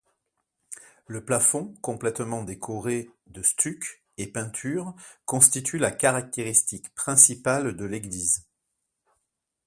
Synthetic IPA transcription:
ləplafɔ̃kɔ̃plɛt̪mɑ̃d̪ekʰɔʁe | d̪əst̪yk | epɛ̃t̪ʰyʁkɔ̃st̪it̪ʰylakaʁak̚t̪eʁist̪ikpχɛ̃sipald̪əleɡliz

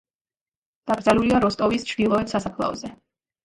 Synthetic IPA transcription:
d̪̥aɡɾd̪zaluliaɾɔst̪ʼɔvist͡ʃʰɾd̪ilˠɔɛt̪sasapʰlˠa̰ɔ̰zɛ

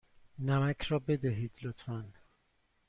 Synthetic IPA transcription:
næmæcʰɾɒːbe̞d̪æɦiːd̪̥lot̪fæn

